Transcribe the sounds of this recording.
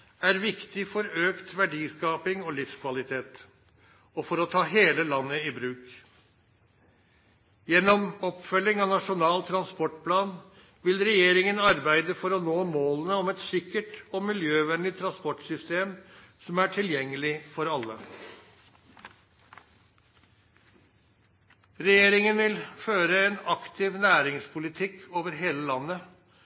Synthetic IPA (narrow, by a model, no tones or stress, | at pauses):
æɾʋɪkt̪ɪfɔɾøːkt̪ʋæɖiːskɑːpɪŋɔlɪfskʰʋɑlɪt̪ʰeːt̪ | ɔfɔɾɔt̪ʰɑːɦeːləlɑnːəɪbɾʉːk | jɛnːɔmɔpfœlːɪŋɑnɑʂʊnɑːlt̪ʰɾɑnspɔʈpʰlɑːn | ʋɪlɾɛjeːɾɪŋənɑɾbæɪd̪əfɔɾɔnoːmoːlənəɔmɛt̪sɪkːəʈɔmɪljøːʋɛnlɪt̪ʰɾɑnspɔʈsʏst̪eːm | sɔmæʈʰɪljɛŋːəlɪfɔɾɑlːə̰ | ɾɛjeːɾɪŋənʋɪlføːɾəɛnɑkt̪ʰɪʋnæːɾɪŋspʰʊlɪt̪ʰɪkʰːoːʋəɾɦeːləlɑnːə